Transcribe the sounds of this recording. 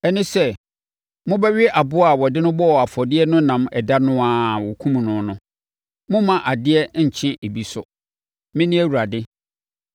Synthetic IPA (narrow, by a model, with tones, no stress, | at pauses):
ɛ˦nɪ̃˦sɛ˦˨ | mʊ̃˦bɛ˦ɥɪ˦ʔa˨bʊ˦a˨wɔ˨dɪ˦nʊ̃˦bɔ˦˨a˨fɔ˨dɪ˦ɛ˦nʊ̃˦nã˨mɛ˨da˦nʊ̃˦a˨wɔ˨kʰũ˦m̃˨nʊ̃˨nʊ̃˦ | mʊ̃˦mã˨ʔa˨dɪ˦ɛ˦ɲ̩˨t͡ɕʰɪ̃˦ʔe˨bi˨sʊ̰˨ | mɪ̃˦nɪ̃˦æ˦wu˨ɾa˨dɪ˦